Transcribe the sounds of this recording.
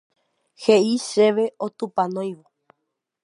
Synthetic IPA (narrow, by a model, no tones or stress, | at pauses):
heiʃe̞ʋeot̪upãnõj̃ʋo